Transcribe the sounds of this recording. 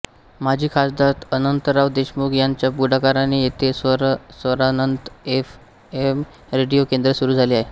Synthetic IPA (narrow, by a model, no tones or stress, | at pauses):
mad͡ʑʱiːkʰasd̪at̪ənənt̪əɾaʋd̪eɕmuɡjaɲt͡ɕjabuɽakaɾanijet̪esɾsʋəɾanənt̪ef | em | ɾeɽijokend̪ɾəsuɾuːd͡zʱaliːaɦe